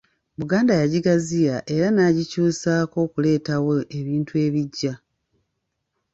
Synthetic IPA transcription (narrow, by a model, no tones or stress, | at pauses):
βuɡaːndajaɟiɡazijaʔe̞ɾanaːɟicuːsaːko̞ːkule̞ːtawoeβiːntue̞ːβiɟːa